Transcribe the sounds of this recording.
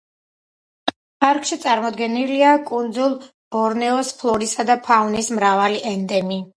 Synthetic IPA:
pʰaɾkʰʼʃit̪sʼaɾmɔd̪ɡɛniliakʼund̪zulˠ | ɔɾnɛɔspʰlˠɔɾisad̪apʰaunismɾavaliʔɛnd̪ɛmi

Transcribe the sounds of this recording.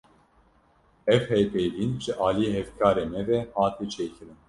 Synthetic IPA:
ɛvhɛjpejviːnʒɨʔɑːlijeɦɛvkʰɑːɾeːmɛvɛhɑːt̪ʰiːt͡ʃʰeːkʰɨɾɨn

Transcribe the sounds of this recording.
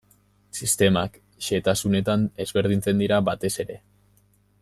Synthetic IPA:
sist̪e̞mak | ʃe̞t̪asune̞t̪ane̞zβe̞ɾð̞int͡se̞nd̪iɾaβat̪e̞se̞ɾe̞

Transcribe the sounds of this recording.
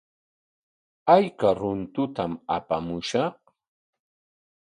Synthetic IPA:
ajkaɾʊnt̪ʊt̪amapamʊʃɑχ

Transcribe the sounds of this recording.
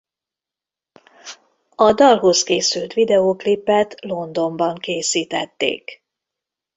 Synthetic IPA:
ɒd̪ɒlɦo̞skeːsylt̪ʋid̪ɛoːklipːɛt̪lo̞nd̪o̞mbɒŋkeːsiːt̪ɛt̪ːḛːk

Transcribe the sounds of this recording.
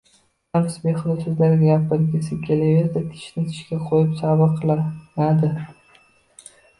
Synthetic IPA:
amsbeχʊd̪ɪsʊzlaɾɡʲaɡʲapɪɾɡʲɪsɪkʲʰelevezd̪at̪ʰɪ̥ʃnɪt̪ʰɪ̥ʃkʲaqʰojɪpsabɨqʰɨlˠanad̪ɪ

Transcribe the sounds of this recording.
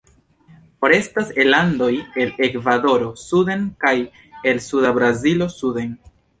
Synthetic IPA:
pɾe̞staselando̞je̞le̞kvado̞ɾo̞sude̞nkaj | e̞lsudabɾazilo̞sude̞n

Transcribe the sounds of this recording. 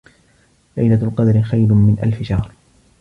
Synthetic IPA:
la̰jnat̪qɑd̪ɾɪxajlʊmɪnʔa̰lfɪʃɑhɾˤ

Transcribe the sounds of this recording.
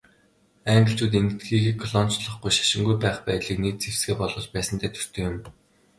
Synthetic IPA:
æːŋɡə̆ɬt͡ɕuːt̪eŋɡɘ̆t̪̚ɡiːɡeːkʰɔɮɔn̥t͡ɕɮɞ̆χɡujʃḁʃɪ̆ŋɡujpæːχpæːɮiːkniːt̚t͡sew̥sɡeːpɔɮɞ̆ːt͡ɕpæːsə̆nt̪ʰæːt̪ʰɵ̥r̥t̪ʰeːjʊm

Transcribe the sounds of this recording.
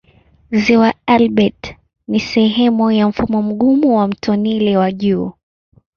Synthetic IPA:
ziwaalɓɛt | nisɛɦɛmujam̩fumɔm̩ɠumuwam̩tʰɔnilɛwaʄuː

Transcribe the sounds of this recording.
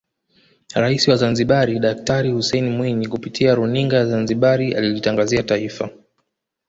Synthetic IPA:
ɾaisiwazanziɓaɾiɗak̚taɾihusɛjnimwiɲikupitʰiaɾuniŋɡajazanziɓaɾiʔa̰lilitaŋɡaziataifa

